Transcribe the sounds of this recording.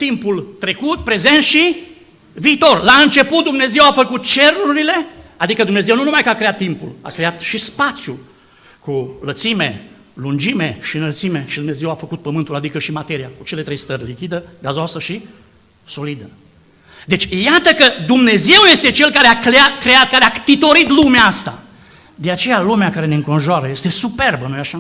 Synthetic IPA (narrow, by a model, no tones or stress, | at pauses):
t̪impult̪ɾe̞kut̪̚pɾe̞ze̞nt̪ʃi | viːt̪o̞rlaɨnt͡ʃe̞put̪̚d̪umne̞ze̞wafəkut̪̚t͡ʃe̞ɾuɾile̞ad̪ikəd̪umne̞ze̞wnunumajkəakɾeat̪ːimpṵla̰kɾe̞at̪ʃispat̪sju | kulət̪sime̞̰ | lund͡ʒime̞ʃinəlt̪sime̞ʃid̪umne̞ze̞wafəkut̪̚pəmɨnt̪ulad̪ikəʃimat̪e̞ɾijakut͡ʃe̞le̞t̪ɾe̞jst̪ərʲlikʲid̪əɡazoasəʃi | so̞lid̪ə | d̪e̞t͡ʃʲjat̪əkəd̪umne̞ze̞wje̞st̪e̞t͡ʃe̞lkaɾeakɾeat̪kɾe̞at̪̚kaɾeat̪it̪o̞ɾit̪lumeaast̪a | d̪e̞at͡ʃe̞jalumeakaɾe̞neɨŋko̞nʒoaɾəje̞st̪e̞supe̞rbənojaʃa